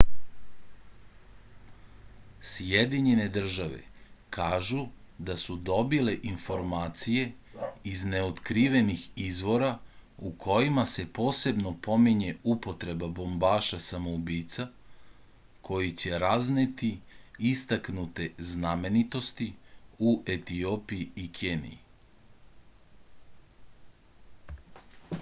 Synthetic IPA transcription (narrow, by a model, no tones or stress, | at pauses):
sjed̪iɲe̞ne̞d̪r̩ʒaʋe̞̰kʰaːʒu | d̪asud̪o̞bile̞ʔinfo̞ɾmaːt̪sije̞izne̞ot̪kɾiʋe̞nixizʋo̞ɾaukʰo̞jimase̞po̞ːse̞bno̞po̞miɲe̞upo̞t̪ɾe̞babo̞mbaːʃasamoubiːt̪sa | kʰo̞jit͡ɕe̞ɾaznet̪iist̪aknut̪e̞zname̞nit̪o̞st̪iuʔet̪io̞pijiikʰenḭji